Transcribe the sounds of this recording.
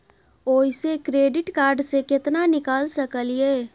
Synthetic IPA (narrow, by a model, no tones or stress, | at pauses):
oːɪsekɾeːɖɪʈkaːɾɖsekɪt̪nanɪkaːlsɐkəljeː